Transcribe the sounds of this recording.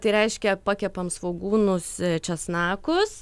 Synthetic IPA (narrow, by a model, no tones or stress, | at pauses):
t̪ɐɪɾʲɛɪʃʲkʲɛpɑkʲɛpɐmsʋoɡuːnʊst͡ʃʲɛsnɑːkʊs